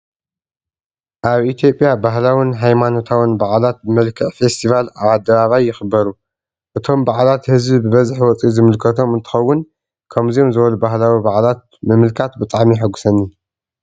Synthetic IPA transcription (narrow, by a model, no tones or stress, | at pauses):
ʔaβʔit̪ʰjo̞pʼjabaɦlawinɦajmano̞t̪ʰawinbaʕlat̪̚bɨmɐlkʰɨʕfe̞st̪ʰivalaβad̪ːɐβaβajːɪxɨbːɐɾu | ʔɨt̪ʰo̞mbaʕlat̪hɨzbibɨβɐzɨħwɔt͡sʼizɨmɨlkʰɐt̪ʰo̞mɨnt̪ʰɨ̥xɐwːʊn | kʰɐmzio̞mzɨβɐlubahlawibaʕlat̪̚mɨmɨlkʰat̪bɨt̪ʼaʕmiħɨɡusɐnːi